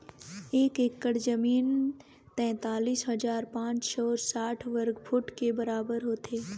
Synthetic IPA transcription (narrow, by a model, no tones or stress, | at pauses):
eːkekːəɽzɐmiːn | t̪ɛ̃ːt̪aːliːsɦɐd͡ʒaːɾpãːt͡ʃʃɔːɾsaːʈʰʋəɾɡpʰʊʈkebɐɾaːbəɾɦoːt̪eː